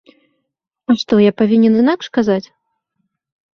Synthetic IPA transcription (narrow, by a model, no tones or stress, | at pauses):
aʂt̪ɔjapavʲinʲɛnɨnakʂkazat͡sʲ